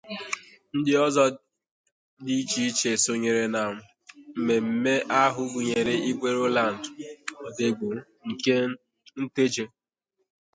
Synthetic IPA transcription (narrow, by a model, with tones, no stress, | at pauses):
n̩˦dɪ˦ɔ˦zɔ˦ | di˦t͡ʃi˦i˦t͡ʃe˨so˨ɲe˨ɾe˨na˨m̩˨ | m̩˦me˨m̩˨me˦ʔa˦ɦʊ˨ɡʷu˨ɲe˨ɾe˦i˦ɡ͡bʷe˦ɾo˦la˨n̩˨dɔ˨de˨ɡ͡bo˨˦ | ŋ̩˨ke˦ | n̩˦te˦d͡ʒe˦